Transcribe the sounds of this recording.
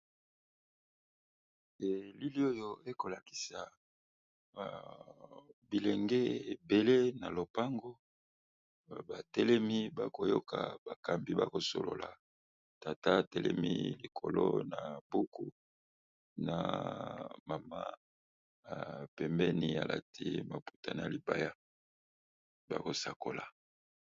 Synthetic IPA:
e˨li˦li˦o˦jo˦e˦ko˨la˨ki̥˨sa˨ | bi˨lɛ˨ŋɡe˦e˨be˨le˦na˨lo˨pa˦ŋɡo˦˨ | ba˨tɛ˦lɛ˦mi˦ba˦ko˨jo˦ka̰˨ba˨ka˨mbi˨ba˦ko˨so̰˨lo˨la˨ | ta˨ta˦˨tɛ˦lʔɛ̰˦mḭ˦li˨kʰo˨lo˦na˨bu˦ku˦ | na˨ | ma˨ma˦˨ | pɛ˨mbɛ˦ni˨a̰˨lʔa̰˨tʰi˦ma˨pu˨ta˨na˨li˨ba˦ja˦ | ba̰˦ko˨sa˨ko˨la˨

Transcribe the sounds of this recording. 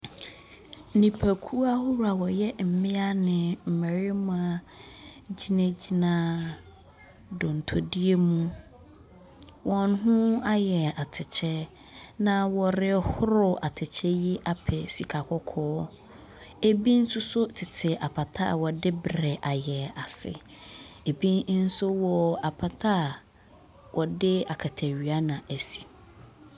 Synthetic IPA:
nĩ˨pʰæ˨kʰu˦a˦hʊ˦ɾu˨a˨wɔ˨jɛ˦m̩˨mɪ̃˦a˦nɪ̃˨m̩˨mɛ˨ɾɪ˦mũ˦a˦ | d͡ʑi˦nã˦d͡ʑi˦nã˨ | dʊ̃˨n̩˨tʰo˨di˦e˦mũ˦ | wɔ̃˨n˦ɦʊ̃˦a˦jɛ˨a˨tʰɪ˨t͡ɕʰɛ˦ | nã˦wɔ˨ɾɪ˦hʊ˦ɾʊ˦ʔa˨tʰɪ˨t͡ɕʰɛ˦ji˦ʔa˦pʰɛ˨si˨kʰa˨kʰɔ˦kʰɔː˦ | e˦bi˦n̩˦sʊ˦sʊ˦tʰɪ˨tʰɪ˨ʔa˨pʰa˨tʰa̰˦a̰˨wɔ˨dɪ˦bɾɛ˨ʔa˨jɛ˨a˨sɪ̰˨e˨bĩ˦n˦n̩˦sʊ˦wɔ˨a˨pʰa˨tʰa˦˨ | wʔɔ˨dɪ˦a˨kʰa˨tʰæ˨ɥɥa˦nã˨æ˨si̥˨

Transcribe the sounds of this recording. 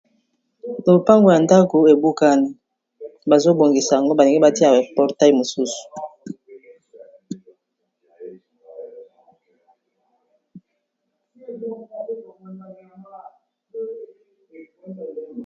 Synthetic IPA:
lo˨pa˦ŋɡo˨ja˨nda˦ko˨e˨bu˦ka˦ni˦ | ba˨zo˦bo˨ŋɡi˨sa˨a˨ŋɡo˦ba˨ne˨ŋɡe˦ba˦ti˦a˨ɛ˨pɔ˨ʁta˦˨mo˨su˦su̥˨

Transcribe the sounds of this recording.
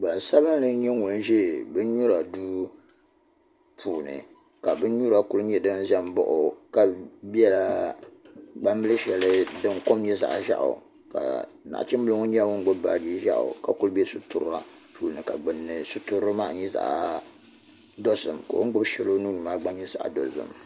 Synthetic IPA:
ɡ͡ba˨n˨sa˦βɨ˦n˦lɨ˦ɲɛ˦ŋo˨n˦ʒe˦˨bɨ˦ɲu˦ɾa˨duː˦ | pʰuː˨nɨ̰˨ | ka˨bɨ˦ɲu˦ɾa˨ku˦lɨ˦ɲɛ˦dɨ˦n˦ʒɛ˦m˦bɔ̰˦ʔʊ˨ka˨bi˦ɛ˦la˦ | ɡ͡ba˦m˦bɨ˦lɨ˦ʃɛ˨lɨ˦dɨ˦ŋ˦ko˦m˦ɲɛ˦za̰˨ʔʒa̰˦ʔʊ̰˨ | ka̰˨ | na̰˨ʔa̰˨t͡ʃi˦mbɨ˦lʊ˦ŋo˦ɲɛ˦wʊ˦ŋ˦ɡ͡bʊ˦bba˨d͡ʒi˦ʒa̰˦ʔʊ̰˨ka˨ku˦lɨ˦bɛ˦sʊ˦tu˦ɾa˦ | puː˨lnɨ˨ka˨ɡ͡bɨ˨nːɨ˨sʊ˦tu˦ɾɨ˦ma˦ʔɲɛ˦za̰˨ʔ | do˦sɨ˨mka̰˨wʊ̰˦ŋ˦ɡ͡bʊ˦bʃɛ˨lo˦nu˦ɲi˨ma˦ɡ͡ba˦ɲɛ˦za̰˨ʔdo˨sɨ̰˨m

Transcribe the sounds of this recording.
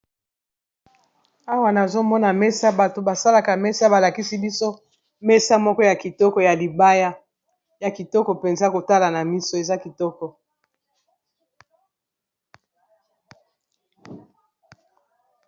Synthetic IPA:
a˦wa˨na˨zo˦mɔ˦na˨mɛ˦sa˦ba˨to˨ba˨sa˦la˨ka˨mɛ˦sa˦ba˨la˨ki˦si˦bi˦so˦ | mɛ˦sa˦mɔ˦kɔ˦ja˨ki˨tɔ˦kɔ˦ja˨li˨ba˦ja˦ | ja˨ki˨tɔ˦kɔ˨pe˨nza˦ko˨ta˦la˨na˨mi˦so˦e˨za˦ki˨tɔ˦kɔ˨

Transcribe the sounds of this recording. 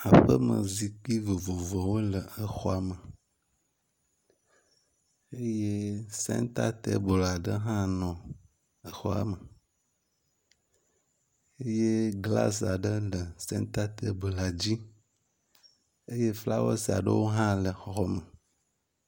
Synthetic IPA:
a˨ɸə˦mə̰˨zi˨k͡pi˦vo˨vo˨vɔ˨wo˦lə˨ə˨xɔ˦a˨mə˨ | e˦je˦sɛ̰̃˦n˦t̪a˦t̪e˦bo˨la˨ɖə˦ɦã˦nɔ̃˨ | ə˨xɔ˦a̰˨mə˨ | e˦je˦ɡla̰˦s̬a˨ɖə˦lə˨sɛ̰̃˦n˦t̪a˦t̪e˦be˨la˨d͡ʑi˦ | e˦je˦fla˦wɔ̰˦si˨a̰˨ɖə˦wo˦ɦã˦lə˨xɔ˦mə˨

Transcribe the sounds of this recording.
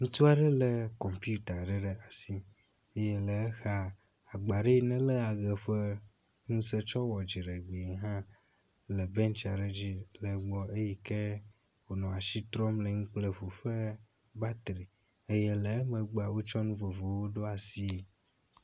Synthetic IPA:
ŋũ˦t̪u˦a˨ɖɛ˦le˨kɔ˨mpi˦u˦t̪a˨ɖe˨ɖe˨a˨si˦ | e˦jɛ˦lə˨˦xa˨ | a˨ɡ͡ba˨ɖe˦nɛ̃˦lə˦a˨ɣə˨ɸe˦ | ŋũ˦se˦t͡ʃɔ˦wɔ˨d͡ʒi˨ɖe˨ɡ͡be˨ɦã˦ | le˨bɛ̃˦nt͡ʃa˨ɖe˨d͡ʑi˦lə˨ɡ͡bɔ˦e˦ji˦ke˦ | wo˨nɔ̃˨a˨ʃi˦t̪ɾɔ˦mlə˨ŋũ˦k͡ple˦˨vo˨ɸe˦ | ba˦t̪ɾi˨ | e˦je˦le˨˦mə̃˨ɡ͡ba˨wo˦t͡ʃɔ˦nũ˦vo˨vo˨wo˦ɖo˦a˨si˦e˨

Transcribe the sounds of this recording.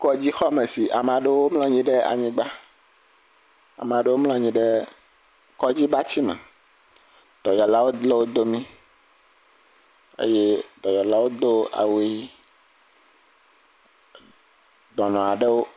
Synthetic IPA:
kɔ˦d͡ʑi˦xɔ˦mẽ˨si˨ʔa˨m˨ã˨ɖe˦wo˦ml̃ɔ̃˦ɲĩ˦ɖɛ˦a̰˨ɲĩ˦ɡ͡ba˦ | a̰˨m˨a˨ɖe˦wo˦mlɔ̃˦ɲĩ˦ɖe˦ | kɔ˦d͡ʑi˦ba˦t͡ɕi˦mɛ̰̃˨ | d̪̥ɔ˨jɔ˨la˦wo˦le˦wo˦d̪o˦mĩ˦ | ḛ˦je˦d̪ɔ˨jɔ˨la˦wo˦d̪o˦a̰˨wi˦ | d̪ɔ˨nɔ̃˨a˨ɖe˦wo˦

